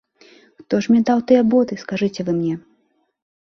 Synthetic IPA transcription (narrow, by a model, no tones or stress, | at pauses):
xt̪ɔʂmʲnʲɛd̪awt̪ɨjɛbɔd̪ɨskaʐɨt͡sʲɛvɨmnʲɛ